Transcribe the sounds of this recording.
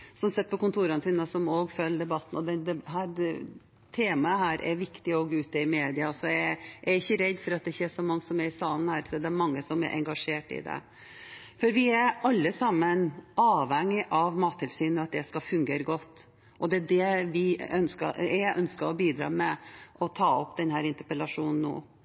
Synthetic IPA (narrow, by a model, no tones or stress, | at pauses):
sɔmsɛt̪̚ːpʰɔkʊnt̪ʰuːɾɑnəsiːnəsɔmoːɡfœlːd̪ɛbɑt̪ːn̩ɔd̪ɛnd̪ɛɦæː | t̪ʰeːmɑəhæːɾʔɛ̰ɾʋɪkt̪ɪoɡʉːt̪əɪmeːd̪ɪɑɔsɔææɾɪçːəɾɛd̪fɔɾɑt̪̚d̪ɛçɛʂɔmɑŋːsɔmæɾɪsɑːlən̩hæːɾsɔd̪ɛæɾmɑŋːəsɔmɛ̰ɾʔɛ̰ŋɡɑʂeːʈɪ̰d̪ɛ̰ | fɔɾʋɪæɾɑlːəsɑmːənʔɑːʋhɛŋːɪʔɑʋmɑːt̪ʰːɪlsyːnəɑt̪̚d̪ɛskɑfʉŋɡeːɾəɡɔt̪ː | ʔɔd̪ɛæɖɛʋɪœnskəæjæɪʔœnskəɾɔbiːd̪ɾɑ̰ːmɛʔɔt̪ʰɑːɔpːd̪ɛnɦæːɾɪnt̪əpəlɑʂuːnn̩ːo̰ː